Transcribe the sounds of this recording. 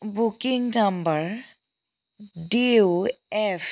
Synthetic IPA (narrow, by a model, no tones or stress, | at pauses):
bukiŋnambaɹ | diuɛp